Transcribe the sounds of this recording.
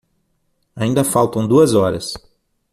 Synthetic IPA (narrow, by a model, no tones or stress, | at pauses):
aĩnd̪ɐfawt̪ɐ̃w̃d̪uɐzɔɾɐ̰s